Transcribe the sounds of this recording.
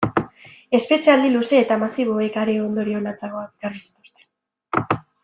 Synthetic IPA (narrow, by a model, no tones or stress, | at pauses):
e̞spe̞t͡ʃe̞ald̪iluse̞ːt̪amasiβ̞o̞ekaɾe̞o̞nd̪o̞ɾio̞nat͡saɣo̞akkarisi̥t̪u̥st̪en